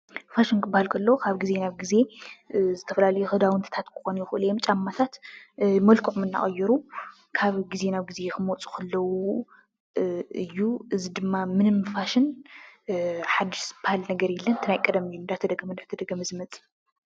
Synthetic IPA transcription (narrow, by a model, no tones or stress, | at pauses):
faʃɪnkʰɨbːahalkʰɐlːɐkʰaβɡize̞naβɡize̞ | zɨt̪ʰɐfɐlalɐjuxɨd̪awɨnt̪ʰit̪ʰat̪kʰɨ̥xonjɪxɨʔɨljemt͡ʃʼamːat̪ʰat̪mɐlkʰuʕmɨnːa̰χʼɐjːɪɾu | kʰaβɡize̞naβɡize̞xɨmot͡sʼu̥xɐlːɐwu | ɨjːuʔɨzid̪ɨmːamɨnɨmfaʃɪn | ħad̪ːiʃb̥ahalnɐɡɐɾjɛlːɐnt̪ʰɨnajkʼɐd̪ɐmɨjːund̪at̪ʰɐd̪ɐɡɐmɐnd̪at̪ʰɐd̪ɐɡɐmzɨmɐt͡sʼɨ̥